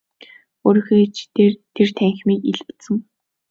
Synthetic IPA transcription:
oɾ̆xet͡ɕʰt̪ʰert̪ʰæŋxmiːkiɮpt̪sɘ̆ŋ

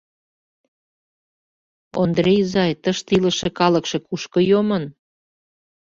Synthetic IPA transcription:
o̰nd̪rʲejzɑjt̪əʃt̪ilə̆ʃekɑləkʃekuʃkɤ̆jomən

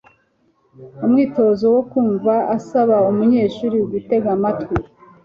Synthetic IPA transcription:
umŋiːto̞zo̞wokuːɱvaasaβaumuɲe̞ːʃuːɾiɡite̞ɡamatki

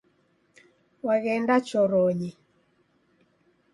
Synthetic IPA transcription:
waɣɛndat͡ʃɔɾɔɲe

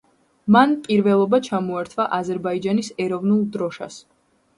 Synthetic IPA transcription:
manpʼiɾvɛlˠɔbat͡ʃʰamɔaɾt̪ʰvaʔazɛɾbaid͡ʒanisɛɾɔvnulˠd̪ɾɔʃa̰s

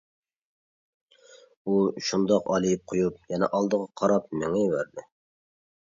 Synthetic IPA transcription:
uʃund̪ɑqɑlˠijip̚qʰojup̚jɛnɛ̰ʔɑlˠd̪əʁɑqʰɑɾɑp̚mɪŋɛjwæɾd̪ɪ

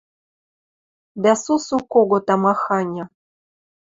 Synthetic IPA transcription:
d̪æsusukoɡŏt̪ɑmɑxɑnʲɤ̆

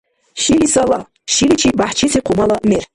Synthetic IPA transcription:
ʃilisɐlˠɐ | ʃilit͡ʃʰibaħt͡ʃʰisiqʰʊmɐlˠɐmer

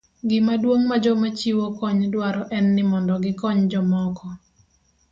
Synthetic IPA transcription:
ɡɪmadwoŋmad͡ʒɔmat͡ʃiwokɔɲdwaɾɔʔɛnːɪmɔndɔɡɪkɔɲd͡ʒɔmɔkɔ

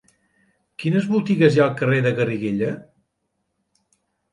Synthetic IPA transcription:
kinəzβut̪iɣəzjaəlˠkəreðəɣəriɣeʎə

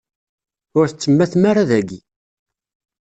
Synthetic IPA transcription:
ʊɾθət͡sːəmːæθmaɾaðæɡi

